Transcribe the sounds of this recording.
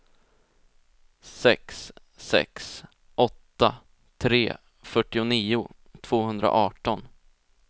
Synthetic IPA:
sɛ̰ksː | ɛ̰ks | ʔɔt̪ːa | t̪ʰɾeː | fœʈːɪʊniːʊ | t̪ʰv̥oːhɵnd̪ɾa̰ʔɑːʈɔn

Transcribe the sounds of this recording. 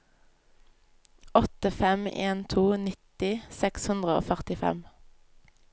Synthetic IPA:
ɔt̪əfɛmḛːnt̪ʰuːnɪt̪ɪsɛkshʉnd̪ʁəo̰ːfœʁt̪ɪfɛ̰m

